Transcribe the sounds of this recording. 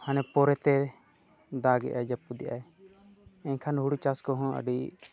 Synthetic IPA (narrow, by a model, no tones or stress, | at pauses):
hanɛpɔɾɛt̪ɛ | d̪aɡɛ̰ʔad͡ʒapːud̪iʔa̰ɛ | ɛɲkʰanɦuɽut͡ʃaskɔɦɔ̃ʔə̰ɖi